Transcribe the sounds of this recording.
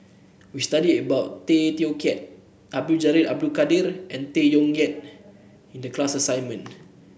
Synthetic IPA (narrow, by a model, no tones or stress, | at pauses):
wist̪adidəbawʔt̪et̪iokɛt̚ | ʔab̚dud͡ʒaɾidab̚dukadiɾʔɛ̃nt̪ejɔŋɡɛt̪̚ | ĩndəklasasajnmə̃n